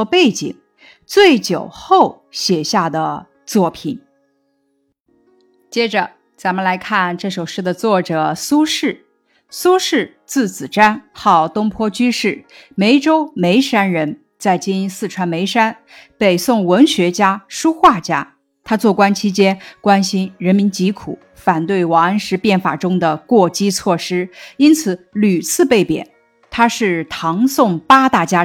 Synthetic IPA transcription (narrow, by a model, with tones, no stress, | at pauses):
pe˥˩ɪt͡ɕḭ˨˩ŋ | t͡swe˥˩ɪt͡ɕjo˨˩ʊxo˥˩ʊ | ɕjɛ˨˩ɕja˥˩d̪ə˩ | t͡swɔ˥˩pʰi˨˩˦n | t͡ɕjɛ˥ʈ͡ʂə˧ | t͡sa˧˥nmə˧nla˧˥ɪkʰa˥˧nʈ͡ʂɤ˥˩ʂo˨˩ʊʂɻ̩˥˩d̪ə˩t͡swɔ˥˩ʈ͡ʂɤ˨˩su˥ʂɻ̩˥˩ | su˥ʂɻ̩˥˧ | t͡sɹ̩˥˩t͡sɹ̩˨˩ʈ͡ʂa˥nxɑ˥˩ʊt̪ʊ˥ŋpʰwɔ˥t͡ɕy˥ʂɻ̩˥˩me˧˥ɪʈ͡ʂo˥ʊme˧˥ɪʂa˥nɻə˧˥n | t͡sa˥˩ɪt͡ɕi˥ni˥nsɹ̩˥˩ʈ͡ʂʰwa˧˥nme˧˥ɪʂa˥n | pe˨˩ɪsʊ˥˩ŋwə˧˥nɕɥɛ˧˥t͡ɕja˥ʂu˥xwa˥˩t͡ɕja˥ | t̪ʰa˥t͡swɔ˥˩kwa˥nt͡ɕʰi˥t͡ɕjɛ˥nkwa˥nɕi˥nɻə˧˥nmi˧˥nt͡ɕi˧˥kʰṵ˨˩˦ | fa˨˩nt̪we˥˩ɪwɑ˨˩ŋə˥nʂɻ̩˧˥pjɛ˥˩nfa̰˨˩ʈ͡ʂʊ˥ŋd̪ə˨kwɔ˥˩t͡ɕi˥t͡sʰwɔ˥˩ʂɻ̩˥i˥nt͡sʰɹ̩˨˧˥ly˨˩t͡sʰɹ̩˥˧pe˥˩ɪpjɛ̰˨˩˦n | t̪ʰa˥ʂɻ̩˥˩t̪ʰɑ˧˥ŋsʊ˥˩ŋpa˥t̪a˥˩t͡ɕja˥